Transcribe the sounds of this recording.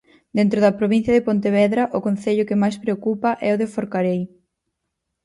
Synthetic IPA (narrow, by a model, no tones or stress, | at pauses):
d̪ent̪ɾʊðɐpɾoβin̟θjɐðɪpont̪eβɛðɾɐʔʊkõnθeʎʊkɪmajspɾeokupɐʔɛʊðefoɾkaɾej